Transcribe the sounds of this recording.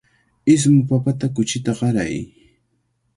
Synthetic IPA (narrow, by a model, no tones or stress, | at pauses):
ɪs̬mʊpapat̪akʊt͡ʃɪt̪aɢɑɾa̰j